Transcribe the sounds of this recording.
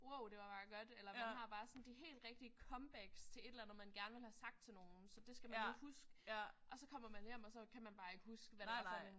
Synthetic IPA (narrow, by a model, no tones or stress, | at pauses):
woʊ̰d̥e̝ʋɑ̈b̥ɑ̈ːɡ̥ɒd̥elɐmænhɑ̈b̥ɑ̈ːsɒ̽n̩d̥iɦe̝̰ːld̥ʁɛɡ̥̚d̥iəkʰɒ̽mb̥æɡ̥st͡sʰe̝le̝̥elænð̩ˠmænɡ̥æɐnəʋe̝lhæsɑ̈ɡ̥̚d̥̚t͡sʰe̝lno̝ːn̩sɒ̽d̥e̝sɡ̥æmænihusɡ̥əʔɒ̽sɒ̽kʰɒ̽m̰ɐmænjem̰ɒ̽sɒ̽kʰæmænb̥ɑ̈ːe̝ɡ̥əhusɡ̥əʋædsɒn